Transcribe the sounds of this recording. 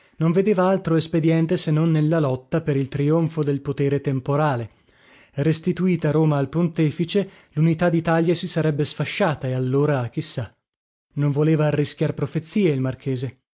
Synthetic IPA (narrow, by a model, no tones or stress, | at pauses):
noɱved̪eːvaalt̪ɾoesped̪jɛnt̪esenːonːelːalɔt̪ːapeɾilt̪ɾioɱfod̪elpot̪eːɾet̪empoɾaːle | rest̪it̪uiːt̪aɾoːmaːlpont̪ɛːfit͡ʃe | lunit̪ad̪it̪aljasisaɾɛbːesfaʃːaːt̪aealːoːɾak̟isːa | noɱvoleːvaːrːisk̟jarpɾofet̪sːiːeilmarkʰeːze